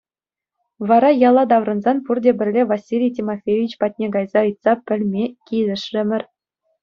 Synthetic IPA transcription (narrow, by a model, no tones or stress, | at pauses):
ʋɑɾɑjɑlˠɑd̪ɑʋrɤ̆nzɑnpurdʲebʲɘ̆rʲlʲevɑsʲːilʲijtʲimofʲevʲit͡ɕpɑt̚ʲnʲeɡɑjzɑɯ̆jt̪sɑpʲɘ̆lʲmʲekʲilʲɘ̆ʂrʲɘ̆mʲɘ̆rʲ